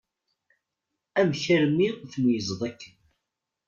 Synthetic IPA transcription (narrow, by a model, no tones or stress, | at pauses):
æmçæɾmiθənjəzˤðˤækːən